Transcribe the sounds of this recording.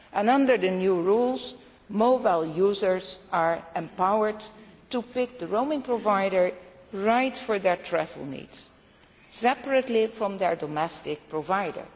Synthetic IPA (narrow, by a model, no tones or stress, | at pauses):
ʔɛ̃nʌ̃ndəɹdənjuɹulˠz | moʊbaɪlˠjuːzəɹzaɹɛ̃mpawəɹdtupɪk̚d̪əɹoʊmɪ̃ŋpɹovajɾəɹɹajtfɔɹðɛɹtʰɹɛvə̰l̩ˠnḭds | sɛpəɹətlifɹɔ̃mdɛɹdɔmɛstɪk̚pɹovajdə̰ɹ